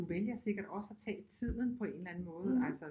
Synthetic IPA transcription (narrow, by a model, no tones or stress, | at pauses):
uʋeljɐse̝ɡ̥ɐɾ̥ɒ̽səæt͡sʰɛ̰ːt͡sʰið̰ˠn̩pʰɒ̽e̝nlæn̩mɔ̽ːð̞̩ˠælsə